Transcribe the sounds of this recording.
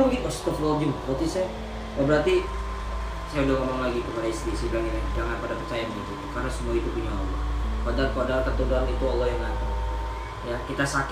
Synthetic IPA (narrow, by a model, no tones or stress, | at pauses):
bəɡiʔɔst̪ɔflɔd͡ʒumbɔt̪isa | abəɾart̪i | sajaudahŋomaŋlaɡikəpadaist̪isilaninad͡ʒaŋanpadapərt͡ʃajanbəɡit̪ukarnasəmuait̪upuɲaɔ̰lɔ̰hkadarkadarkət̪unduanit̪uɔlːɔɦjaŋat̪a | jakit̪asak